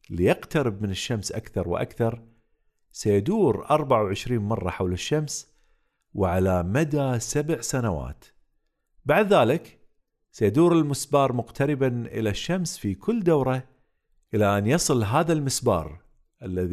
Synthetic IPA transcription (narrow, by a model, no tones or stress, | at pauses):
lijɪqt̪aɾɪb̚mɪnɪʃːamsʔa̰kθɑɾˤwʔa̰kθɑɾˤ | sajad̪uːɾʔɑɾˤbaʕawʕɪʃɾiːnmɑrˤːɑħawlɪʃːams | wɪʕalamad̪asabʕsanawa̰ːt̪ | baʕd̪ðaːlɪk | sajad̪uːɾɪlmɪsbɑːɾˤmʊqt̪ʰaɾɪbanʔɪ̰laʃːamsfikʰʊlːd̪awɾˤɑ | ʔɪlaʔanjɑsˤɨlɦaːðalmɪsbɑ̰ːɾˤ | ʔalːað